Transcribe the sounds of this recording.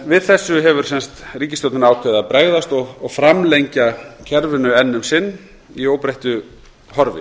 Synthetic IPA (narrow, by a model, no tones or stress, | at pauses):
vɪðθɛsːʏɦɛvʏɾ̥sɛnst̪riːcɪst̪owt̪naaːwkʰʏðapɾeːɣðast̪ɔɣɔɣfɾamlejɲcacʰɛɾvɪnʏɛnːʏmsɪnː | iowpɾejht̪ʏ | hɔɾvɪ̰